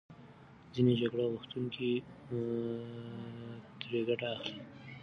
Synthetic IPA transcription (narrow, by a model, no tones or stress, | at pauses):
d͡zined͡ʒaɡɽaɣuxt̪uŋki | t̪ɾeɡaʈaːxli